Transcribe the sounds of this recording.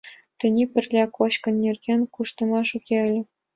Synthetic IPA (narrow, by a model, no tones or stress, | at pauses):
t̪ʲɘ̆nʲipʲɘ̆rʲlʲækoɕkɤ̆nʲːerʲɡʲenʲkuʂt̪ɤ̆mɑʂukʲelʲɘ̆